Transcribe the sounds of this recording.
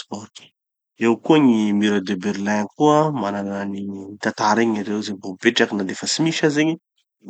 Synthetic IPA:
spɔrti̥ | ewkuəŋimiɾad̪ebeɾilaŋkuəmananniit̪ant̪aɾeɲaɾewzebobeʈ͡ʂakinalefəsimiʃazeɲi

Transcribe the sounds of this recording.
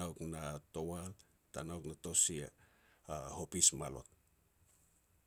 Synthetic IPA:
awknato̞wal | ta̰nawknato̞sia̰ | ho̞pismalo̞̰t̚

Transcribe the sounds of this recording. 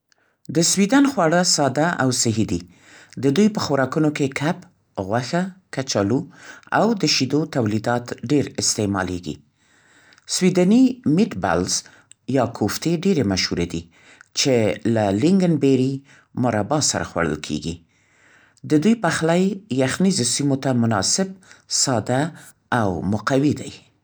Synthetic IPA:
d̪əswid̪anxwɑɽəsɑd̪aʔawsɪɦid̪i | d̪əd̪ujpəxoɾɑkunokekʰap | ɣwaxakat͡ʃalua̰wd̪əʃid̪ot̪awlid̪ɑt̪ɖeɾɪst̪emɑ̰lḛɡḭ | swid̪animɪʈba̰lz | jɑkʰoft̪eɖeɾemaʃhuɾed̪i | t͡ʃelalɪŋɡənbeɾi | mʊɾabɑsa̰ɾa̰xwa̰ɽə̰lkʰḛɡḭ | d̪əd̪ujpaxlajːaxnizosimot̪amʊnɑ̰sɪb̚sɑd̪aː | wmʊqawid̪aj

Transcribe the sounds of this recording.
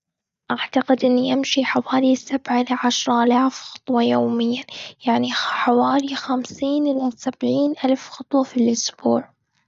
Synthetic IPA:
ʔaʕt̪aqɪd̪ʔɪnːiʔamʃiħawaːlisːabʕaɪlaʕaʃɾˤɑʔalaːfxɑ̥t̪ˤwɑjoːmɪjːajaʕniħawaːlixamsiːnʔɪlasabʕiːnʔalfxɑt̪ˤwɑfilʔʊsb̥uːʕ

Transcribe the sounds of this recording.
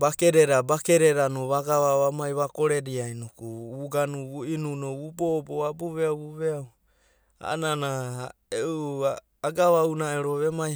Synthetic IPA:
bakeɾeɾabakeɾeɾanoβaɡaβaβamajβakoɾeɾiajnokuβuɡanuβuinunoβuboboabuβeawβuβeaw | a̰nana | eʔuaː | ɡaβawnaeɾoβemaj

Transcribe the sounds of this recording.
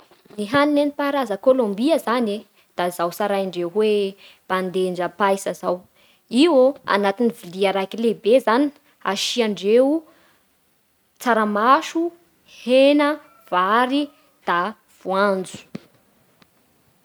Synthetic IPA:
niɦaninenipaɾazəkolombiəzane | d̪̥azawsaɾajaɳɖ͡ʐewɦwe | b̥and̪eɳɖ͡ʐəpajsəzaw | iwoa̰nat̪iniviliaɾakilebezani̥ | aʃiaɳɖ͡ʐeu | t͡saɾamaʃu | henə | v̥aɾi | d̪̥a | v̥uand͡zu̥

